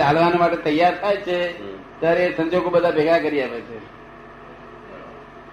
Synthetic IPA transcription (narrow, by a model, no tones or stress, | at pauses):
ɦalʋanomaʈet̪əjːaɾt̪ʰajt͡ʃʰe | t̪jaɾesə̃ɲd͡ʒoɡobəd̪ʱabʱeɡakəɾiaʋet͡ʃʰe